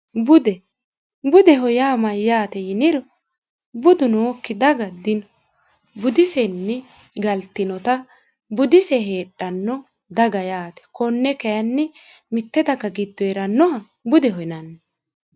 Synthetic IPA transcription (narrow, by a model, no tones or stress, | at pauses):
bʊd̪ɛ | bʊd̪ɛɦɔjaːmɐjːaːt̪ɛjɪnɪɾɔ | bʊd̪ʊnoːkːɪd̪ɐɡɐd̪ɪnɔ | bʊd̪ɪsɛnːɪ | ɡɐlt̪ːɪnɔt̪ɐ | bʊd̪ɪsɛɦeːɗːɐnːɔ | d̪ɐɡɐjaːt̪ɛ̥kɔnːɛkɛjɐnːɪ | mɪt̪ːɛd̪ɐkːɐɡɪd̪ːɔɛɾɐnːɔhɐ | bʊd̪ɛɦɔjnɐnːɛ